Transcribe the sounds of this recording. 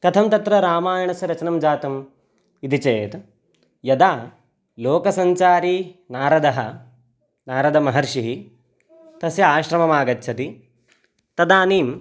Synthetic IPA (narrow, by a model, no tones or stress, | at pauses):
t̪ɐt̪ʰɐmt̪ɐt̪ɾɐɾaːmaːjɐɳɐsɐɾɐt͡ʃɐnɐmd͡ʒaːt̪ɐm | id̪it͡ʃeːt̪ | jɐd̪aː | loːkɐsɐɲt͡ʃaːɾinaːɾɐd̪ɐɦɐ | naːɾɐd̪ɐmɐɦɐɾʃiɦi | t̪ɐsjɐaːʃɾɐmɐmaːɡɐtːt͡ʃʰɐt̪i | t̪ɐd̪aːniːm